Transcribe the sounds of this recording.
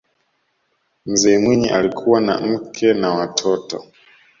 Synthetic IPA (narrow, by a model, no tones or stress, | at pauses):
m̩zɛːmwiɲiʔalikʰuwana̰m̩kʰɛnawatʰɔtɔ̰